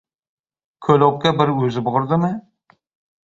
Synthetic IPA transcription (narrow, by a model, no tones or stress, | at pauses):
kʲʰɵlɒp̚kʲabɪɾɵzɪbʊʁʊɾd̪ɪmɪ